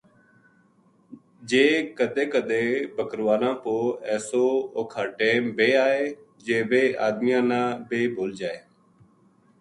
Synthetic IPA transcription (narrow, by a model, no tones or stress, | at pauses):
d͡ʒeːkəd̪eːkəd̪eːbəkɾʋaːnãːpoːɛːsoːokʰaːʈẽːmbeːaːeː | d͡ʒeːbeːʔa̰ːd̪mɪjãːnãːbeːbʱoːld͡ʒaːeː